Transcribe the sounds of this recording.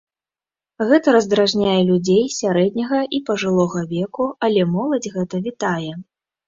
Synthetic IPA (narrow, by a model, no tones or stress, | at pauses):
ɣɛt̪ɐɾɐzd̪ɾaʐnʲajɛlʲud͡zʲejsʲaɾɛd̪̚ʲnʲɐɣɐʔipɐʐɨlˠɔɣɐvʲɛkualʲɛmɔlˠɐd͡zʲɣɛt̪ɐvʲit̪ajɛ